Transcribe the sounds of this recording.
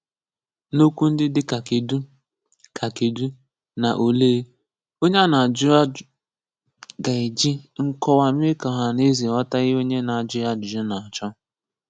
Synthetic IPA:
no˦kʷu˦n̩˦dɪ˦dɪ˦ka˨ke˨du˦ | kʰa˨ke˨du˦ | na˨ʔo˨leː˦ | o˦ɲa˦na˨a˨d͡ʒʊ˦a˦ | ɡa˨i˨d͡ʒi˦ŋ̩˦kɔ˦wa˨m˦e˦ka˨ɦa˨ne˦zi˨ɔ˦ta˦ɣɪ˦o˦ɲe˦na˨a˨d͡ʒʊ˦ja˦d͡ʒʊ˨d͡ʒɪ˦na˨a˨t͡ʃɔ˦

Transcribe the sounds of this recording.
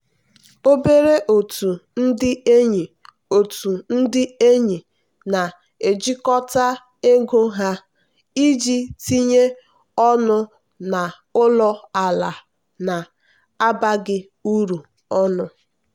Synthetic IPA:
o˦be˦ɾe˦ʔo˨tu˨n̩˦dɪ˦e˦ɲi˨ | o˨tu˨n̩˦dɪ˦e˦ɲi˨ | na˨ | e˨d͡ʒi˦kɔ˦ta˦ | e˦ɡo˦ɦa˦ | i˦d͡ʒi˦ti˦ɲe˦ | ɔ˦nʊ˦ | na˨ | ʊ˦lɔ˦a˨la˨ | na˨ | a˦ba˦ɡɪ˦ | u˦ɾu˨ | ɔ˦nʊ˦

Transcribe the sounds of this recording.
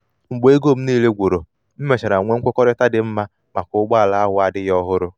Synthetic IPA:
ŋ͡m̩˨ɡ͡be˦ɡo˦˨m̩˦niː˦˨le˦ɡʷo˨ɾo˨ | m̩˦me˨t͡ʃa˨ɾa˨ŋʷe˦ŋ̩˦kʷʊ˦kɔ˦ɾɪ˦ta˦dɪ˨m̩˦ma˦ | ma˨kʊ˦ɡ͡ba˦˨la˨a˦ɦʷʊ˨˦a˨dɪ˦jɔ˦ɦʊ˦ɾʊ˦

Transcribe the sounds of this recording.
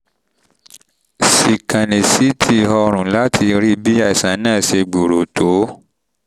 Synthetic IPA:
si˨kã˨nẽ˨si˨˦tʰi˧ɦɔ˧ɾ̃ũ˨la˦tʰi˧ɾi˦bi˦ɛ˦˨sã˨˦nãː˦˨ʃe˧ɡ͡bo˨ɾo˨to˨˦

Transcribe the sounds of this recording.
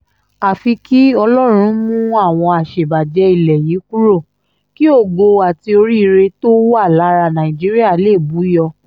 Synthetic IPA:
a˨fi˧ki˦ɔ˧lɔ˦ɾ̃ũ˧˦mũ˦a˦˨w̃ɔ̃˧a˨ʃe˨ba˨d͡ʒɛ˧˦i˨lɛ˨jiː˨˦ku˦ɾo˦˨ | ki˦o˦˨ɡo˧a˨ti˧o˧ɾi˦i˧˦ɾe˧to˦wo˦a˦˨la˨˦ɾa˧nã˨ĩ˨d͡ʒi˨˦ɾi˦a˦˨le˦˨bu˨˦jɔ˧

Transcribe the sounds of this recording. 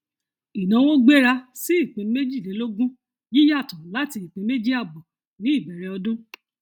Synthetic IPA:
i˨nã˨˦wo˦ɡ͡be˦ɾa˧si˦i˦˨k͡pẽ˨˧˦me˦d͡ʒi˦˨lɛ˨˦lo˦ɡũ˦ | ji˦ja˦˨tɔ̃˨la˦ti˧i˨k͡pẽ˨˧˦me˦d͡ʒi˦a˦˨bɔ˨ | nĩ˨˦i˦˨bɛ˨ɾɛ˨˧ɔ˧dõ˦

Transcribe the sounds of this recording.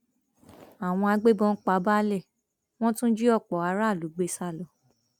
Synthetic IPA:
a˨w̃ɔ̃˧a˧ɡ͡be˦bɔ̃˧n̩˦k͡pa˧˦ba˦lɛ˦˨ | w̃ɔ̃˦tũ˦d͡ʒi˦ɔ˦˨k͡pɔ˨˦a˧˦ɾa˦˨lu˨˦ɡ͡be˨˧sa˦˨lɔ˨

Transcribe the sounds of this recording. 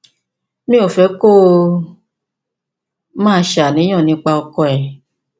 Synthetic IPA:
mĩ˦o˨fɛ˨˦ko˦˨ | mãː˦˧˦ʃa˨nĩ˨˦j̃ɔ̃˦˨nĩ˧k͡pa˧ɔ˧kɔ˧ɛ˨

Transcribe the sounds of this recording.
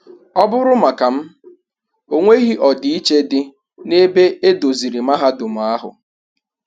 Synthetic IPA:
ɔ˦bʊ˦ɾʊ˦ma˨ka˨m̩˦ | o˨ŋʷe˦ɣi˦ʔɔ˨dɪ˨i˦t͡ʃe˦dɪ˦ | ne˦be˦e˦do˨zi˨ɾi˨ma˦ɦa˦dʊ˨m̩˨a˦ɦʊ̰˨

